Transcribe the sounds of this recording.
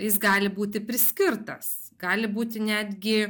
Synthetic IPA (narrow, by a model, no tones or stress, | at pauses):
jɪs̬ɡɑːlʲɪbuːt̪ʲɪpʲɾʲɪsʲkʲɪrt̪ɐs | ɡɑːlʲɪbuːt̪ʲɪnʲæːd̪ʲɡʲɪ